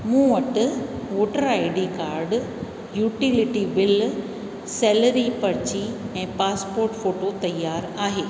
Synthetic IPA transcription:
mũːʋɐʈʊ̆ | ʋoːʈəɾaɪɖikaːɾɖ | juːʈilɪʈibɪl | sɛːləɾipɐɾt͡ɕiɛ̃ːpaːspoːɾʈfoːʈot̪ɐjːaːɾaːɦeː

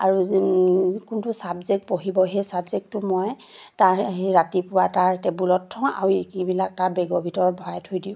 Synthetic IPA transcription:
aɹu | kuntʊsabzek̚poɦibɔɦejsabzek̚tʊmɔj | taɹɦeɹatipʊwataɹtebulɔtʰːɔ̃a̰ɹuekibilak̚taɹbɛɡɔbʱitɔɹɔbʱɔajtʰojdiʊ̃

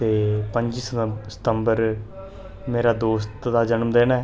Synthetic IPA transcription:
t̪eːpəɲd͡ʒissə̥t̪əmbəɾ | meːɾaːd̪oːst̪d̪aːd͡ʒənəmd̪eːnaɛ

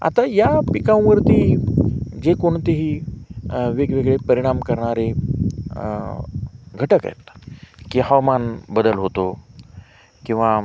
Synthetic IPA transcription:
a̰t̪ajapikãʋ̃ʋəɾt̪iː | d͡ʑekoɳt̪eɦiː | ʋeɡʋeɡɭepəɾiɽ̃amkəɾɳaɾe | ɡʱəʈəka̰jt̪kihaʋmanbəd̪əlɦot̪o | kĩw̃ʋa

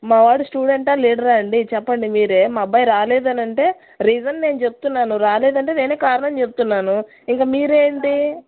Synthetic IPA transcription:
maːʋaːɽusʈuːɽe̞ɳʈaːliːɽɐɾɐɐɳɖit͡ʃɛpːɐɳɖimiːɾe̞ːmaːbɐjɾaːlɛːd̪ɐnɐɳʈe̞ː | ɾiːd͡ʒɐnne̞ːnut͡ʃe̞but̪unːaːnuɾaːleːd̪ɐɳʈe̞ːne̞ːneːkaːɾɐɳɐmt͡ʃe̞but̪unːaːnu | iŋkaːmiːɾe̞ːɳɖi

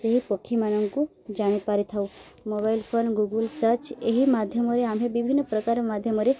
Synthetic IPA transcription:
seɦipəkʰːimanəŋɡkũ | d͡ʒaɽ̃epaɾit̪ʰaũ | mobailpʰonɡuɡəlsət͡ʃeɦimad̪ʱjəmoɾeamɦebibʱinːəpɾəkaɾomad̪ʱjəmɔɾe

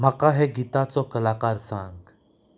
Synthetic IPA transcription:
məqaɦɛɡit̪at͡sokəlaːqaɾsãːŋɡ

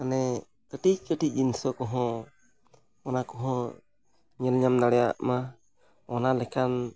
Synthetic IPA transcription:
anɛ | kətic̚kəʈiinsɔkɔɦɔ̃ | ɔnakɔɦɔ | ɲɛlɲamnaɽɛa̰ʔma | ɔnalɛkʰan

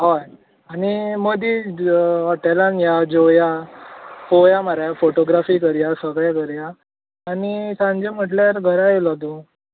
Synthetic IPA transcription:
ɦɔj | animəd̪i | əʈalanjad͡ʑoja | kojaməɾajafoʈoɡɾafiːkəɾjasəɡɭjakəɾjaː | nisãɲd͡ʑem̤əʈljaɾɡʱəɾajelad̪u

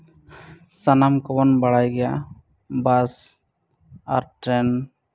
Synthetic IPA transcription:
sanamkɔbɔnbaɽajɡɛja | bas | a̰ɾʈɾɛn

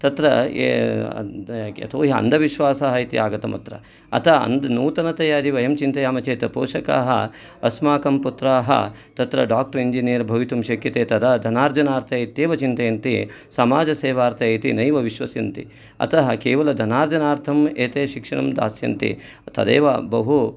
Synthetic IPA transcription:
t̪ɐt̪ɾɐ̰ | ɐ̰t̪ʰoːɦiɐ̰nd̪ʱɐʋiʃʋaːsaːɦɐit̪ḭaːɡɐt̪ɐmɐ̰t̪ɾɐ̰ | ɐ̰t̪ʰɐɐ̰nd̪nuːt̪ɐnɐt̪ɐjaːd̪iʋɐjɐmt͡ʃint̪ɐjaːmɐt͡ʃeːt̪ɐpoːʃɐka̰ːɦɐ̰ | ɐsmaːkɐmput̪ɾaːɦɐ̰t̪ɐt̪ɾɐɖaːk̚ʈɐɾiɲd͡ʒinijɐɾbʱɐʋit̪umʃɐkjɐt̪eːt̪ɐd̪ɐd̪ʱɐnaːɾd͡ʒɐnaːɾt̪ʰɐjt̪eːʋɐt͡ʃint̪ɐjɐnt̪ḭ | sɐmaːd͡ʒɐseːʋaːɾt̪ʰɐjit̪inɐjʋɐʋiʃʋɐsjɐnt̪ḭ | ɐ̰t̪ɐɦɐkeːʋɐlɐd̪ʱɐnaːɾd͡ʒɐnaːɾt̪ʰɐmeːt̪eːʃikʂɐɳɐmd̪a̰ːsjɐ̰nt̪ḭ | t̪ɐd̪ḛːʋɐbɐɦu

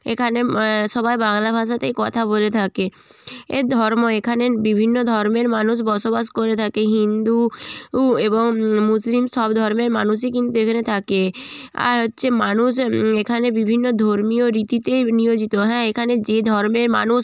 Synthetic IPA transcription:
ḛkʰaneʃɔbajbaŋlabʱaʃ̬at̪ejkɔt̪ʰabolet̪ʰake | ḛɾd̪ʱɔɾmoekʰanebibʱinːod̪ʱɔɾmeɾmanuʃ̬bɔʃobaʃkoɾet̪ʰakeɦind̪u | eboŋmuslimʃɔbd̪ʱɔɾmeɾmanuʃ̬ekint̪uekʰanet̪ʰakea̰ɾɦotːɕʰemanuʃekʰanebibʱinːod̪ʱoɾmioɾit̪it̪ejniod͡ʑit̪oɦɛ̃ekʰaned͡ʑed̪ʱɔɾmeɾma̰nuʃ

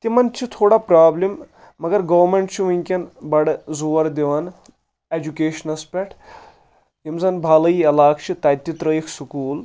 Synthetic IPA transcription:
t̪imɐnt͡ʃʰit̪ʰoːɽapɾaːblimː | ɐɡɐɾɡɐʋɾmeɳʈt͡ʃʰiʋɐŋʲkʲɐnbɐɽzuʋɐɾd̪eʋɐn | ed͡ʒukeːʃɐnɐspʲeʈʰ | jimzɐnbʱaːlɐiɐlaːkʰt͡ʃʰit̪ɐːt̪it̪ɾəikʰsukuːl

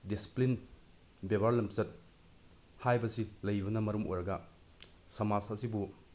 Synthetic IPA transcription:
disi̥plin | bebaɾlɐmsɐt̚ | hajbɐsilɐjbɐnɐmɐɾumo̰jɾɐɡɐ | sɐmasasibu

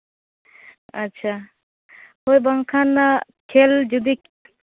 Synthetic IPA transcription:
ɐtːʃʰa | hojbəŋkʰanːakʰeld͡ʒud̪ik

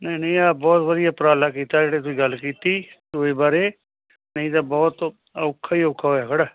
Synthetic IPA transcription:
nəĩːnəĩaːbɔːt̪ʋəd̪ɪjaːpɾaːlaːk̬iːt̪aːd͡ʒeːɽeːt̪̬ʊiːɡəlkiːt̪iːd̪oːeːbaːɾeː | nəĩt̪abɔːt̪ | okʰːaiːokʰːaɦoːjaːkəɽaː

